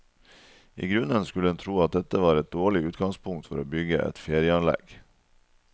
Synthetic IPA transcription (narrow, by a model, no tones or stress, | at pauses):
ʔḭːɡɾʉnənskʉləɛnt̪ʰɾuːɑt̪̚d̪ɛt̪əʋɑːɾɛt̪̚d̪oːɭɪʉːt̪̚ɡɑŋspʰʊŋkt̪fɔɾoːbʏɡəʔɛ̰t̪feːɾɪəɑnlɛ̰ɡ̥